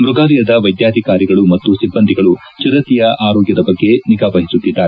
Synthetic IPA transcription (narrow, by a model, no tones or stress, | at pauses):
mɾuɡaːlijɐd̪ɐʋɐjd̪jaːd̪ʱikaːɾiɡɐɭumɐt̪ːusibːɐnd̪ʱiɡɐɭu | t͡ʃiɾɐt̪ijɐʔaːɾoːɡjɐd̪ɐbɐɡːe̞niɡaːʋɐɦisut̪ːid̪ːaːɾe